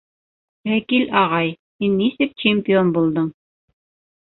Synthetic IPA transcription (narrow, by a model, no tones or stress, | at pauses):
wækilʔɑʁɑj | hinːisɘk̚t͡ɕemʲpʲɪonbulˠd̪ɤɴ